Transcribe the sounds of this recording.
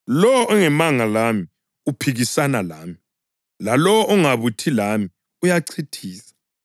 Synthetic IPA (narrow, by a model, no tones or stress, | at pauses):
lɔwɔʔɔŋɛmaŋalami | upʰiɣisanalaːmii | lalɔwɔʔɔŋaβutʰilami | ujaǀʰitʰiːsḁ